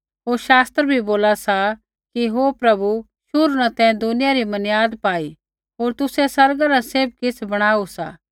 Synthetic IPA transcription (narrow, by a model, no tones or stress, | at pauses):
ɦoːɾʃaːst̪ɾbʱiboːlasa | kiɦoːpɾɐbu | ʃʊɾnat̪ɛ̃d̪ʊnɪjaɾimɐnjaːd̪paːi | ɦoːɾt̪ʊsesɐɾɡaɾaseːb̚kɪsʰbɐɽ̃aːusa̰ː